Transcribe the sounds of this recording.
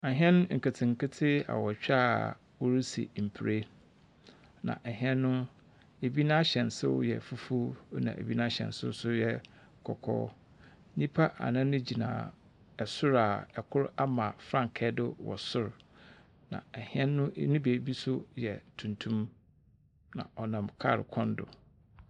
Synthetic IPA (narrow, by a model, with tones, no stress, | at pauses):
ɛ˨ɦɛ̃˦ñ˦ŋ̩˨ka˨tʰɪ̃˨ŋ˨kɪ˦tʰɪ˦a̰˨wɔ˨t͡ɕᶣa˦ | wɔ˦ɾi˦sḭ˨m̩˨pʰi˨ɾe˦ | nã̰˨ʔɛ˨ɦɛ̃˦nːʊ̃˦ | e˨bi˦nã˦ɕɛ̃˨n˨sʊ̰˦wjɛ̰˨fu˦fu˦nã̰˨ʔḛ˨bi˦nã˦ɕɛ̰̃˨n˨sʊ̰˦sʊ˦jɛ˦˨ | kʰɔ˨kʰɔ̰ː˦ | ɲĩ˦pʰa˦ʔa̰˨nã˦nʊ̃˦d͡ʑi˨nã̰ː˨ | ɛ˨sʊ˦ɾa˨ɛ˨kʰʊ˦ɾa˦mã˨fɾã˦ŋ˨kʰɛ˦dɪ˦wɔ̰˨sʊ˦ɾ | nã̰˨ɛ˨hɪ̃˦ɛ̃ː˦ʊ̃˦nʊ̃˦be˨˦bi˦sʊ˦jɛ˨tʰũ˨ntʰũ˦m | nã̰˨ʔɔ˨nã˨mkʰa̰˦˨ɾɪ̰˨kʰɔ̃˦n˦dʊ̰˨